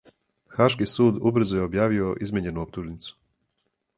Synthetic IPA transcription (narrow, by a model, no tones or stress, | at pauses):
xaʃkisuːd̪ubr̩zujeo̞bjaːʋio̞ʔizmeɲe̞nuop̚t̪uʒnit̪su̥